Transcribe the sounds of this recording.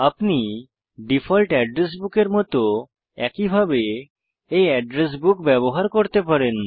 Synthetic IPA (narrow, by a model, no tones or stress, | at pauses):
apni | ɖipʰɔlʈɛɖɾes̬bukeɾmɔt̪o | ɛkibʱabe | ejɛɖɾes̬bukbɛβoɦaɾkoɾt̪epaɾen